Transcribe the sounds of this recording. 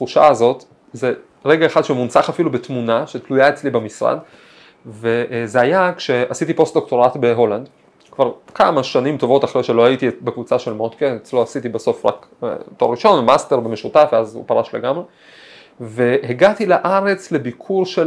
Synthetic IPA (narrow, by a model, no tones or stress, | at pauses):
χuʃa̰ːzo̞t | ze | ʁe̞ɡaeχad̪ʃemunt͡saχafilubetmunaʃetlujaet͡slibemisʁa̰d | ve̞ʔzeajakʃe̞asitipo̞st̚d̪o̞k̚to̞ʁatbe̞ɦo̞land | kvaʁkamaʃanimto̞vo̞taχʁejʃelo̞hajitibekvut͡saʃelmot̪keet͡sloasit̪ibaso̞fʁa̰kto̞ʁːiʃo̞nvmaste̞ʁbemeʃutafveazṵpaʁaʃleɡamʁe | ve̞heɡatilaʔaʁe̞t͡sle̞bikʰuʁʃe